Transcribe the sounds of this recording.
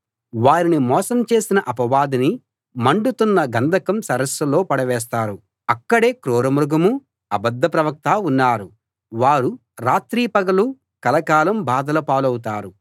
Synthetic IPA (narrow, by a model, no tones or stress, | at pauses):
ʋaːɾinimɔːsɐmt͡ʃe̞ːsinɐʔɐpɐʋaːd̪ini | mɐɳɖut̪unːɐɡɐnd̪ʱɐkɐmsɐɾɐsɐlo̞ːpɐɽɐʋɛːs̬t̪aːɾu | ɐkːɐɽe̞ːkɾoːɾɐmɾuɡɐmu | ɐbɐd̪ːɐpɾɐʋɐk̚t̪aːunːaːɾu | ʋaːɾu | ɾaːt̪ɾiːpɐɡɐlu | kɐlɐkaːlɐmbaːd̪ɐlɐpaːlɐwut̪̬aːɾu